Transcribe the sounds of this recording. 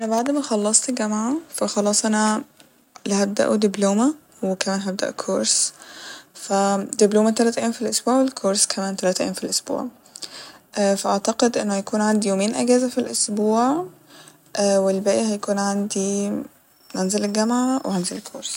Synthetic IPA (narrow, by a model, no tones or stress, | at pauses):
ʔænæbaʕd̪mæxɑlːɑsˤt̪ɡæmʕafæxɑlɑːsˤʔænæ | lihæb̚d̪æ̰ʔud̪ibloːmæ | wekæmæːnɦæb̚d̪æ̰ʔkʰoɾˤs | fæd̪ibloːmæt̪ælæːt̪ʕʔjːmfilʔosbuːʕwelkʰoɾˤskʰæmæːnt̪ælæːt̪ʕḭːmfilʔosbṵːʕ | ʔfæʔaʕt̪ɑqed̪ʔenːohæjækuːnʕand̪ijoːmeːnʔæɡæːzæfilʔosbuːʕ | ʔæwelbæːʔehæjkuːnʕand̪i | nænzælelɡæmʕawehænzelekʰːoːɾs